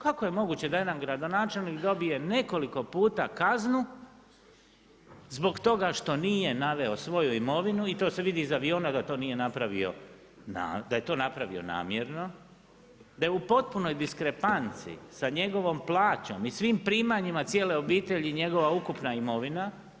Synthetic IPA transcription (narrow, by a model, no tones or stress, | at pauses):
kako̞je̞mo̞ɡut͡ɕe̞d̪ajenamɡɾad̪o̞naːt͡ʃe̞lnikd̪o̞bije̞ne̞ko̞liko̞puːt̪akaznu | zbo̞ɡt̪o̞ɡaʃt̪o̞nije̞naʋe̞o̞sʋo̞juimo̞ʋinuit̪o̞ːse̞ʋid̪iːzaʋio̞ːnad̪at̪o̞ːnije̞napɾaʋḭo̞̰ | na̰d̪aje̞t̪o̞ːnapɾaʋḭo̞̰na̰ːmje̞ɾno̞ | d̪ajeupo̞t̪̚puno̞jd̪iskɾe̞pant̪sḭsaɲe̞ɡo̞ʋo̞mplˠaːt͡ɕo̞̰misʋiːmpɾiːmaɲimat̪sijeːle̞o̞biːt̪e̞ʎiɲe̞ɡo̞ʋaukupnaimo̞ʋina